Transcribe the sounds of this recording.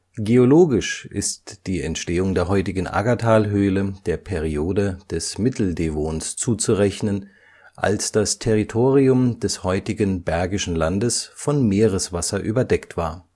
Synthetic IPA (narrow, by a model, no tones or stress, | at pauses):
ɡ̥eoloːɡɪʃʔɪ̰std̥iːɛntʃteːʊŋdeːɐɦɔʏtɪɡən̩ʔa̰ɡatʰaːlɦøːləd̥eːɐpʰɛʁioːdəd̥ɛsmɪtʰl̩demoːnst͡suːt͡suʁɛçnən | ʔa̰lsd̥astʰɛʁitʰoːʁiʊmdɛshɔʏtɪɡənbɛɐɡɪʃn̩landəsfɔnmeːʁəsv̥asɐʔy̰ːbɐdɛktv̥aːɐ